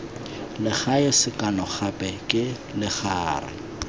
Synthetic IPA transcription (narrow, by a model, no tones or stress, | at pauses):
lɪχajɔsɪkʼanɔχapʼɛkʼɪ | lɪχaːrɪ̰